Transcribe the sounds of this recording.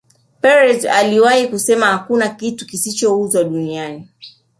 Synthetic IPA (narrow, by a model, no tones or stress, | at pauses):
pɛɾɛza̰liwahikusɛmahakunakitukisit͡ʃɔuzwaɗuniani